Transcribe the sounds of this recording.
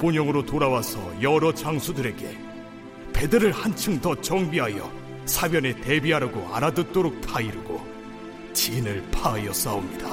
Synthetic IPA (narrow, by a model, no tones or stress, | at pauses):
poɲʌŋɯɾotoɾawasʰʌ̰jʌɾʌt͡ɕaŋsʰudɯɾe̞ɡe̞ | pe̞dɯɾɯɭhant͡ɕʰɯŋdʌt͡ɕʌŋbiɦajʌ̰ | sʰabjʌnete̞biɦaɾɯɡoaɾadɯt͈oɾok̚tʰaiɾɯɡo̰ | t͡ɕinɯɭpʰaajʌs͈aomɲida